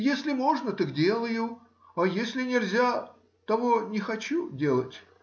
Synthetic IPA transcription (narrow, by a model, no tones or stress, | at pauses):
jesʲlʲɪmo̞ʐnət̪ɨkdʲe̞lˠəjʊ | ɐjesʲlʲɪnʲɪlʲzʲa | t̪ɐvonʲɪxɐt͡ɕudʲe̞lˠətʲ